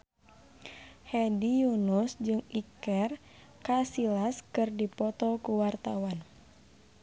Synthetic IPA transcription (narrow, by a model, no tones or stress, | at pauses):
hɛdijunusd͡ʒɨŋikɛr | kasilaskɨrdipɔt̪ɔkuwart̪awan